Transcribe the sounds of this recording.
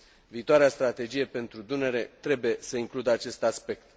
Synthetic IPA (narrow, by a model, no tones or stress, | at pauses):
viːt̪oaɾeast̪ɾat̪e̞d͡ʒije̞pe̞nt̪ɾud̪une̞ɾe̞t̪ɾe̞buje̞səiŋklud̪əat͡ʃe̞st̪aspe̞k̚t̪